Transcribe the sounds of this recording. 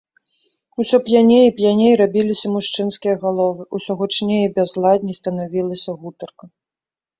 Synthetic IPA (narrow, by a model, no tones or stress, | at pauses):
usʲɔpjanʲejipjanʲejɾabʲilʲisʲɐmuʂt͡ʂɨnskʲijɐɣalˠɔvɨusʲɔɣut͡ʂnʲejibʲɛzlˠad̪̚ʲnʲist̪ɐnavʲilˠɐsʲɐɣut̪ɐrkɐ